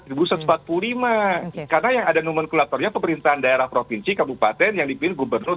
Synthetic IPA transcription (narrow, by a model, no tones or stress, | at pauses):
ibusat̪smpat̪̚plulimakarnajaŋadanumənkulat̪ɔrɲapəməɾint̪aɦandaeɾahpɾofinsikabupat̪ɛnjaŋdipɪnɡubərnʊr